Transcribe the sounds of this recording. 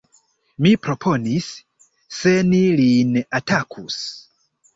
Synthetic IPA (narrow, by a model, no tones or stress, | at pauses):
mipɾo̞pʰo̞nisː | enilinatʰakʰus